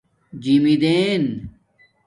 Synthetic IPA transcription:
d͡ʑimid̪eːn

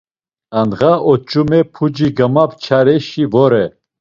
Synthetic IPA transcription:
anʁaʔɔt͡ʃʼumɛpʰud͡ʒiɡɐmapt͡ʃʰaɾɛʃivɔɾɛ

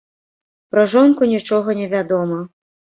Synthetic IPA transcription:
pɾɐʐɔnkunʲit͡ʂɔɣɐnʲɛvʲad̪ɔmɐ

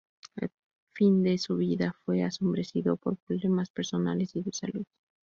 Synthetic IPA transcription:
ḛl | find̪e̞suβ̞iðafwe̞aso̞mbɾe̞siðo̞po̞ɾpɾoβlemaspeɾso̞na̰le̞siðesaluð

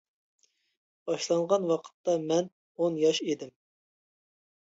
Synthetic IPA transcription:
b̥ɑʃlˠɑɴʁɑnwɑqʰə̥t̪ːɑmɛn | onjɑʃed̪ɪm

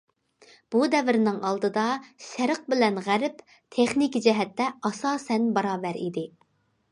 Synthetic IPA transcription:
b̥ud̪ɛvɪɾɪnɪŋɑlˠd̪ɨd̪ɑʃɪɾəq̚bɪlɛnʁæɾɪp | t̪ʰeχnikʲid͡ʒɛɦɛt̪ːɛɑsɑːsɛnbɑɾɑːvɛɾḭd̪ɪ

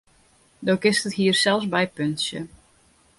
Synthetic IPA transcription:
doːkɪstəthiərsɛlˠfsbɛjpønsjə̰

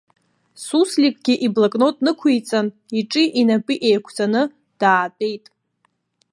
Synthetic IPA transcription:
suslikʼɡ̥ʲiʔiblakʼno̞tʼnɨkʷʰijt͡sʼan | iʈ͡ʂʼiʔinapʼiʔejkʷʰt͡sʼanɨ | d̥aːtʼe̞jtʼ

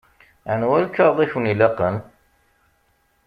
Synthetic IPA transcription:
ænwælkːɑɾˤðˤiçwnilɑqən

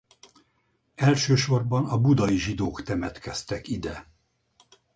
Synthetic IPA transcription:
ɛlʃøːʃo̞rbɒnɒbud̪ɒjiʒid̪oːkt̪ɛmɛt̪kɛst̪ɛkid̪ɛ

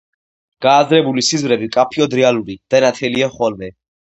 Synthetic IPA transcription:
ɡ̥aːzɾɛbulisizvɾɛbikʼapʰiɔd̪ɾɛaluɾid̪̥anat̪ʰɛliaχɔlmɛ

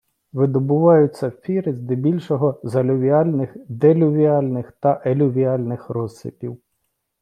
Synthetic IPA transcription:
ʋɪd̪ɔbʊʋɑjʊt͡sʲːɐfʲiɾɪzd̪ɪbʲilʲʃɔɦɔzɐlʲʊʋʲiɑlʲnɪxd̪eɛlʲʊʋʲiɑlʲnɪxt̪ɐʔelʲʊʋʲiɑlʲnɪxrɔzsɪ̰pʲḭw

